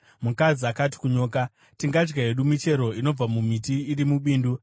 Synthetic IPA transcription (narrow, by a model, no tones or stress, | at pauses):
mukaziakat̬i̥kuɲo̞ːka | tiŋɡad͡ʒɡaɦe̞ɗumit͡ʃe̞ɾo̞ino̞b͡vamumit̬iːɾimuɓiːndu